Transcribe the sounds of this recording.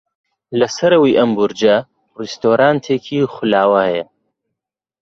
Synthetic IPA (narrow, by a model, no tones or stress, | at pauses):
lɐsɐɾɐwiːʔɐmbʊɾd͡ʒɐ | rist̪oːɾaːnt̪ʰeːkʰiːxʊlaːwɐhɛjɐ